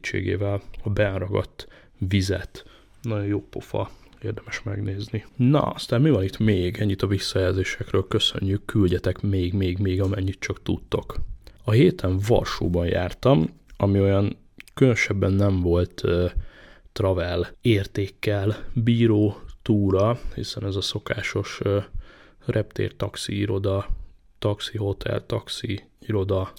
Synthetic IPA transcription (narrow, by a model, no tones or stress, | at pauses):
t͡ʃːḛːɡḛːvɛlɒbɛnrɒɡɒ̰t̪ː | vizɛ̰t̪ | nɒɟo̞joːpo̞̰fɒ̰ | eːrd̪ɛmɛʃmɛ̰ɡneːzninɒ̰ɒ̰st̪aːmmivɒnit̪meːɡɛɲːit̪ɒvisːɒjɛlzeːʃɛkrøːlkø̞sø̰ɲːykːylɟɛt̪ɛkmeːɡmeːɡmeːɡɒmɛɲːit̪t͡ʃɒkt̪ṵt̪ːo̞kɒɦeːt̪ʰɛɱvɒ̰lʃṵːbɒnja̰ːrt̪ɒmɒmio̞jɒn | kønøʃɛbːɛnːɛɱvo̞lt̪ː | rɒvɛleːrt̪eːkːɛlbiːɾoːt̪uːɾɒhḭsɛnɛzɒso̞kaːʃo̞ʃ | rʔɛp̚t̪ḛːrt̪ɒksiiɾo̞d̪ɒ | t̪ɒksiɦo̞t̪ʰɛ̰lt̪ɒksi | iɾo̞d̪ɒ